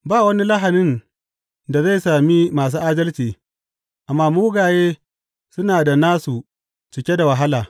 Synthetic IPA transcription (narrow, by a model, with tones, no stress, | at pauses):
baː˦˨wɐ˦ni˦lɐ˦ɦa˨nɪ˦n | da˨za˦˨saː˨mi˦maː˨s̬uː˦ʔaː˦dɐ˦lt͡ʃiː˨ | ʔa˨mːaː˦muː˦ɡaː˨jeː˦ | sʊ˦naː˨da˨naː˦su˨ | t͡ʃɪ˨kʲe˦da˨wa˨ɦa˦laː˨